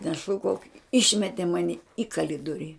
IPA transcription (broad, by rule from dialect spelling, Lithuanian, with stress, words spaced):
nʲɛˈʃuːkɐʊk ˈɪʃʲmʲɛtʲɛ ˈmɑːnʲɪ iː kɐˈlʲɪdoːrʲɪ